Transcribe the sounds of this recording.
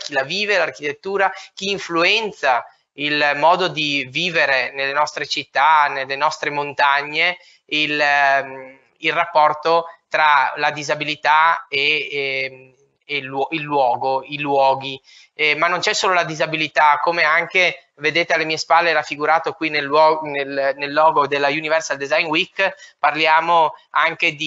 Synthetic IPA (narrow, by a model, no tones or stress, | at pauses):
k̟ilaviːvelarkit̪et̪ːuːɾak̟iːɱfluɛnt̪sa | ilmɔːd̪od̪iviːveɾenelːenɔst̪ɾet͡ʃit̪ːanelːenɔst̪ɾemont̪aɲːe | il | ilrapːɔrt̪ot̪ɾalad̪izabilit̪ae | lɔilːwɔːɡoilwɔːɡi | manːont͡ʃɛsːoːlolad̪izabilit̪akːomeaŋke | ved̪eːt̪ealːemiːespalːeɾafːiɡuɾaːt̪okwinelɔnelnelːɔːɡod̪elːajunivɛrsald̪ezajnwikːparljaːmoaŋked̪i